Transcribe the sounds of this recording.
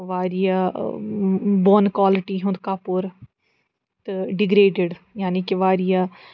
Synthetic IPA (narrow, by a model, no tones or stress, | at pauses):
ʋaːɾɪjaː | boːnkwaːlɪʈiːɦʊ̃nd̪kaːpoːɾ | t̪eɖɪɡɾeːɖeɖjaːniːkɪʋaːɾɪjaː